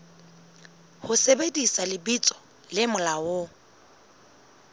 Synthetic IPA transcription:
hʊsebedisalɪbit͡sʼɔ̥ | lɪmʊlawʊ

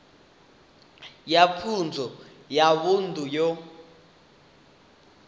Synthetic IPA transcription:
japʰund͡zʱɔ | jaɓuntʼujɔ

